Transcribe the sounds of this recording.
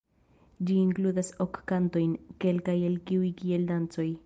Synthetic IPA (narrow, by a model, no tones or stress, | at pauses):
d͡ʒiːŋkluðasokːant̪ojnkelkajelkiwikield̪ant͡soj